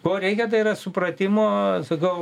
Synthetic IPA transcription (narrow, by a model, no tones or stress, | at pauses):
koːɾʲɛɪkʲɛt̪ɐɪiɾɐsʊpɾɐt̪ʲɪmoːsɐkɐʊ